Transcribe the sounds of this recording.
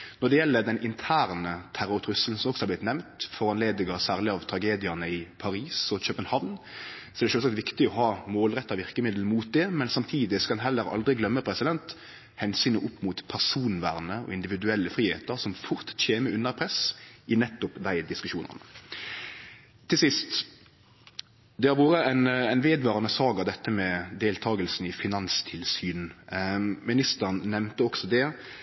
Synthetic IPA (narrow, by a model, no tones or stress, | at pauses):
nɔd̪ɛjɛlːəd̪ɛnʔɪnt̪ʰæːʁnət̪ʰæɾʊɾt̪ʰɾʉsl̩sɔmɔksɔhɑblɪt̪nɛmnt̪fɔʁɑnleːd̪ɪɡɑsæːʁlɪɑʋt̪ʰɾɑɡeːd̪ɪɑnəɪpʰɑɾiːsɔc͡çøːpənhɑʋnsɔɛɾd̪ɛʃøːsɑk̚t̪ʋɪkt̪ɪɔhɑːmoːlʁɛt̪ːɑʋɪʁkəmɪd̪l̩muːt̪̚d̪ɛmɛnsɑmt̪ʰiːd̪ɪskɑɑnɦɛlːəɾɑ̰ld̪ʁɪɡlœmːəpʰɾɛsɪd̪ɛnt̪ | hɛnsyːnəʔʊpːmʊt̪pʰæʁsuːnʋæːʁnəɔ̰ɪnd̪ɪʋɪd̪ʉɛlːəfʁiːhḛːt̪əɾsɔmfʊʁt̪çeːməʉnəʁpʰʁɛsʔɪnɛt̪ːʊpd̪æɪd̪ɪskʉʂuːnə̰ʁnə̰ | t̪ʰɪlsɪst̪ | d̪ɛhɑɾʋuːɾəɛɪnæɪnʋeːd̪ʋɑːʁənəsɑːɡɑʋd̪ɛt̪ːəmɛd̪eːlt̪ʰɑːɡəlsn̩ɪfɪnɑnst̪ʰɪlsyːnn̩ | mɪnɪst̪əʁnnɛmnt̪əɔksɔd̪ɛ